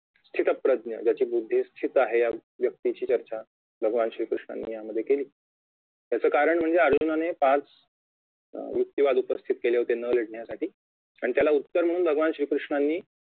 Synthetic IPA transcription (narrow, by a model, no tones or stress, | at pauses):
st̪ʰit̪əpɾəd̪nə̰d͡ʑjat͡ɕiːbud̪ʱːist̪ʰit̪aɦejaʋjək̚t̪it͡ɕiːt͡ɕəɾt͡ɕa | bʱəɡəʋanɕɾiːkɾuʂɳa̰nːiːjaməd̪ʱjekeliː | t̪jat͡səːkaɾəɳm̤əɳd͡zeəɾd͡ʑunanepãt͡s | ʋɾuk̚t̪ːjiʋad̪upəst̪ʰit̪̚keleɦot̪enələɽɳjasaʈiː | aɽ̃it̪jalaut̪ːəɾm̤əɽ̃uːnbʱəɡəʋanɕɾiːkɾuʂɳanːiː